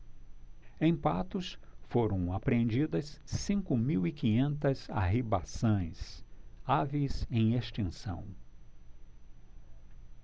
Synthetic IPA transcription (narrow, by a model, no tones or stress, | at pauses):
ẽj̃pat̪ʊsfoɾɐ̃w̃apɾẽnd͡ʒid̪ɐsːĩŋkʊmiwikĩɲẽnt̪ɐza̰ɦiba̰sõj̃savizẽj̃eʃt͡ʃẽsɐ̰̃w̃